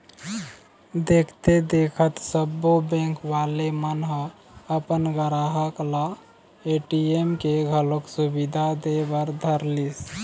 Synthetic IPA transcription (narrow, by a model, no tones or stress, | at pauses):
d̪ekʰt̪ed̪ekʰət̪səbːobɛ̃ŋkʋalemənɦə | əpənɡəɾaɦəkla | eʈiemkeɡʱəloksubid̪ʱad̪ebəɾd̪ʱəɾlis